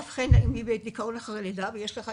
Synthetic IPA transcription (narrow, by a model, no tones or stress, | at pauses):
fχenaʔimibet̪d̪ikaonaχaʁeled̪avejeʃleχa